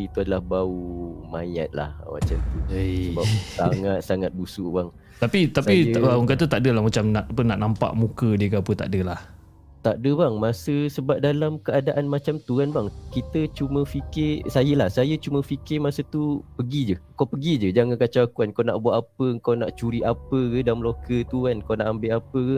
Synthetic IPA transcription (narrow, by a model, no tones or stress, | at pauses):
it̪uadəlahbaumã̰ja̰t̪̚la̰hə̰ma̰t͡ʃamt̪usəbap̚saŋat̪̚saŋat̪̚busuʔbaŋ | t̪apit̪asiŋkat̪ət̪aʔdəlahmat͡ʃamnaʔapənaʔnampa̰ʔmũkədikapət̪a̰ʔdəlah | t̪aʔdəbaŋmasəsəbap̚dalamkəadaʔanmat͡ʃamt̪uanbaŋkit̪ət͡ʃumə̃fikɪsajəlahsajət͡ʃumə̃fikɪmasət̪upəɡid͡ʒəəkawpəɡid͡ʒəd͡ʒaŋankat͡ʃakuankawna̰ʔbuaʔapəəŋkawnaʔt͡ʃuɾiʔapəkədamlokət̪uankawnaʔambɪʔapəkə